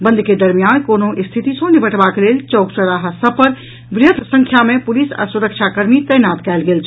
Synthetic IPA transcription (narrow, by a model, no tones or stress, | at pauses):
bə̃nd̪ʱked̪əɾmijankonoʔist̪ʰit̪isə̃nibʱəʈbakelelt͡ʃɔkt͡ʃəɾaɦəsəpəɾ | bɾjəd̪ʱsə̃ŋkʰjamẽpulisa̰suɾəkt͡ʃʰakəɾmit̪əjnat̪kɛːlɡeːlt͡ʃʰ